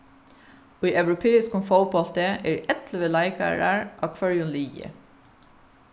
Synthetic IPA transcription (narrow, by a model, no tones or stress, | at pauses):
oːiːʔɑʋɹʊpʰeːɪskʊmfoʊbɔlt̪əeːɾʔɛt̪ləʋəlæɪkʰə̰ɹæɹʔɑːkʰʋœɹjʊnliːjə̰